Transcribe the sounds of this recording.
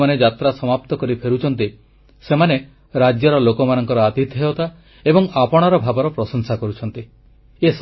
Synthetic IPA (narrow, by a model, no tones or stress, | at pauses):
maned͡ʒat̪ɾasɔmap̚t̪ɔkɔɾipʰeɾut͡ʃʰɔnt̪i | semane | ɾad͡ʒjɔɾɔlokɔmanɔŋkɔɾɔat̪it̪ɦeɔt̪a | ebɔŋapɔɽ̃aɾɔbʱabɔɾɔpɾɔsɔŋsakɔɾut͡ʃʰɔnt̪i | es